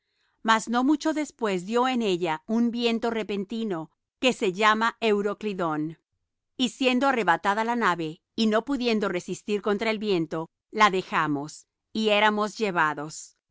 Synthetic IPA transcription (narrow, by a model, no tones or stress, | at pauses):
mazno̞mut͡ʃo̞ðe̞spwe̞z̬ðjo̞ene̞ʝaumbje̞nt̪o̞re̞pent̪ino̞ | ke̞se̞ʝamaewɾo̞kliðo̞n | isje̞nd̪oare̞βat̪aðalanaβe̞ | ino̞puðje̞nd̪o̞re̞sist̪iɾko̞nt̪ɾaelβje̞nt̪o̞ | laðe̞xamo̞s | ieɾamo̞zʝe̞βaðo̞s